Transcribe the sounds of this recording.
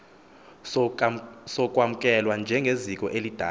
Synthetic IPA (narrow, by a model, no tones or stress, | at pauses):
sɔkʼwam̩kʼɛlwand͡ʒʱɛŋɡʱezikʼɔʔelid̥ʱa